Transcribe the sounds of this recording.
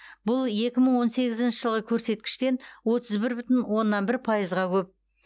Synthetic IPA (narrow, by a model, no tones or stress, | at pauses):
bʊlˠje̞kʲɪməɴwo̞nse̞ɡʲɪzɪnʃɪʒəlˠʁəkʲʰɵɾse̞t̪̚kʲɪ̥ʃt̪e̞nwo̞t̪əzbɪɾbʏt̪ɪnwo̞nːɑnbɪɾpʰɑjəzʁɑkʲʰɵp̚